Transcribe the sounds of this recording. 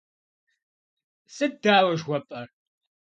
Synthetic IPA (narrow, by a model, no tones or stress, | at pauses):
sʼɨdaːwɐʒwʷɔpʼɐr